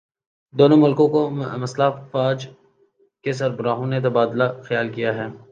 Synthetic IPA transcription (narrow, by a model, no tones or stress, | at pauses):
d̪oːnõmʊlkõkomɐslafaːd͡ʒ | kes̬ɐɾbɾaːɦõnet̪̬ɐbaːd̪laxjaːlkijaɦɛː